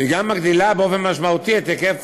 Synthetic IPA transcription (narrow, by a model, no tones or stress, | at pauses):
iɡamːaɡd̪ilabeo̞fe̞nmaʃmaut̪iet̪ekef